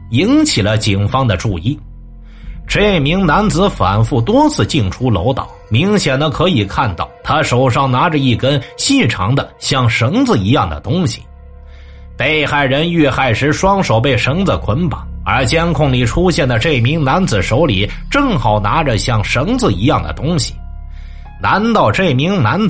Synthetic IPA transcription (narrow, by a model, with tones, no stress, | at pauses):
i˧˥nt͡ɕʰi˨˩lə˦t͡ɕi˨˩ŋfɑ˥ŋd̪ə˨ʈ͡ʂu˥˧i˥˩ | ʈ͡ʂe˥˩ɪmi˧˥ŋna˧˥nd͡zɹ̩˧˥fa̰˨˩nfu˥˩t̪wɔ˥t͡sʰɹ̩˥˩t͡ɕi˥˩ŋʈ͡ʂʰu˥lo̰˧˥ʊt̪ɑ̰˨˩˦ʊmi˧˥ŋɕjɛ˨˩nd̪ə˧kʰɤ˧˥i˨˩kʰa˥˧nt̪ɑ˥˩ʊt̪ʰa˥ʂo˨˩ʊʂɑ˥˩ŋna˧˥ʈ͡ʂə˧i˥˩kə˥nɕi˥˩ʈ͡ʂʰɑ̰˧˥ŋd̪ə˧ɕjɑ˥˩ŋʂɤ˧˥ŋd͡zɹ̩˧i˧˥jɑ˥˩ŋd̪ə̰˩t̪ʊ˥ŋɕi̥̰˨˩ | pe˥˩ɪxa˥˩ɪɻə˧˥ny˥˧xa˥˩ɪʂɻ̩˧˥ʂwɑ˥ŋʂo˨˩ʊp̬e˥˩ɪʂɤ˧˥ŋd͡zə˨˩kʰwə˧˥npa˨˩˦nə̰˞˧˥t͡ɕjɛ˥nkʰʊ˥˩ŋli˨˩ʈ͡ʂʰu˥ɕjɛ˥˩nd̪ə˩ʈ͡ʂe˥˩ɪmi˧˥ŋna˧˥nd͡zɹ̩˨˩ʂo˧˥ʊli˨˩˦ | ʈ͡ʂɤ˥˩ŋxɑ˨˩ʊna˧˥ʈ͡ʂə˧ɕjɑ˥˩ŋʂɤ˧˥ŋd͡zɹ̩˧i˧˥jɑ˥˩ŋd̪ə̰˩t̪ʊ˥ŋɕi̥˨ | na˧˥nt̪ɑ˥˧ʊʈ͡ʂe˥˩ɪmi˧˥ŋna˧˥nt͡s